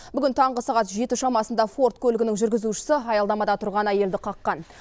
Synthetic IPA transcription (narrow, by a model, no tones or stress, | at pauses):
bʏɡʲɪnt̪ʰɑɴʁəsɑʁɑt̪ʒe̞t̪ɪʃɑmɑsənd̪ɑfo̞rt̪kʰʲɵlɪɡʲɪnɪŋʒʏɾɡʲɪzuʃɪ̥səɑjɑld̪ɑmɑd̪ɑt̪ʰʊɾʁɑnæje̞ld̪ɪqʰɑqːɑn